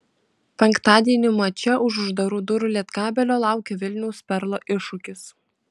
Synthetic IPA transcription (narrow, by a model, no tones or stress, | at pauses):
pʲɛŋkt̪ɑːd̪ʲiɛnʲɪmɐt͡ʃʲɛʔʊʃʊʒd̪ɐɾuːd̪ʊɾʊlʲiɛt̪kɑːbʲɛlʲoːlˠɑˑʊkʲeʋʲɪlʲnʲɛʊspʲɛɾlˠoːʔɪʃʊkʲɪs